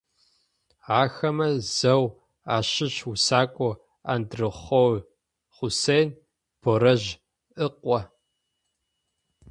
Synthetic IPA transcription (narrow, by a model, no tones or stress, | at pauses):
aːxɐmɐz̥ɐw | aːɕɪɕusaːkʷʼɔ | a̰ːndrɨχʷɔw | χʷʊsejn | b̥oɾɐʑ | ʔɨqʷʼɔ